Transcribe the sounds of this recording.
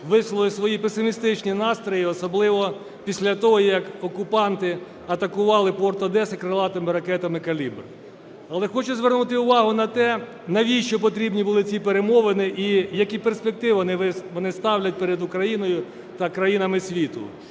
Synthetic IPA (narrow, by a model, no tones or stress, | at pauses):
ʋɪslˠlɪsʋɔjipesɪmʲist̪ɪt͡ʃnʲinɑst̪ɾɔjiɔsɔblˠɪʋɔ | pʲisʲlʲɐt̪ɔɦɔjɐkɔkʊpɑnt̪ɪ | ɐt̪ɐkʊʋɑlˠɪpɔrt̪ɔd̪ɛsɪkɾɐlˠɑt̪ɐmɪɾɐkɛt̪ɐmɪkɐlʲibr | ɐlˠɛxɔt͡ʃɛzʋernut̪ɪʊʋɑɦʊnɐt̪ɛ | nɐʋʲiʃt͡ʃɔp̬ɔt̪ɾʲibnʲibʊlˠɪt͡sʲipeɾemɔʋɪnɪʔijɐkʲiperspek̚t̪ɪʋnɪʋɪʋɔnɪst̪ɑwlʲɐt̚ʲpeɾed̪ʊkɾɐjinɔjʊ | t̪ɐkɾɐjinɐmɪsʲʋʲit̪ʊ̰